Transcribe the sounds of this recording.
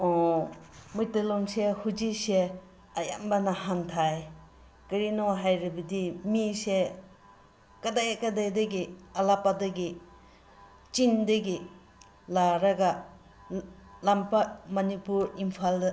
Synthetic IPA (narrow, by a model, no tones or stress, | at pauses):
ɔ | mujtilɔŋsehud͡ʒise | aja̰mbanahantʰaj | kɐɾinoɦajɾibɐdimise | kadajakadajdɐɡiɐlapadɐɡi | t͡ʃindɐɡi | laɾaɡa | lampamɐnipuɾimpʰaldɐ